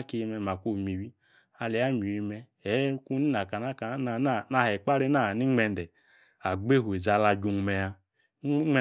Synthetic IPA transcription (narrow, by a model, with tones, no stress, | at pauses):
ki˧mɛ˧ma˨ku˦˨mi˨wi˦ | a˧lɛ˨˦a˦˨mi˨wi˧mɛ˧ | ɛ˨˦ku˦ni˦na˨ka˨na˦ka˨˦na˨n˦˨na˧˨hɛ˨k͡pa˦ɾe˦na˦˨ni˦ŋ͡mɛ˧ndɛ˨ | a˨ɡ͡be˦ɦu˨e˨d͡za˨˧la˧d͡ʒu˧ŋ˧mɛ˨a˧˦˨